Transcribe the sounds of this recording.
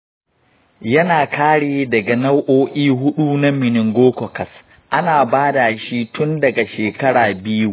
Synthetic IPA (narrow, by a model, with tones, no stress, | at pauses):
jɐ˦naː˨kʰaː˦ɽeː˨dɐ˨ɡa˨na˦wʔoː˦ʔʲiː˦ɦʊ˦ɗuː˦na˦mɪ˨nɪ˨ŋɡʷoː˦kɔ˨kɐ˨s | ʔa˦naː˨baː˦da˨ʃi˦tʊ˦ndɐ˨ɡa˨ʃeː˨kɐ˦ɽaː˨bɪ˦ju˦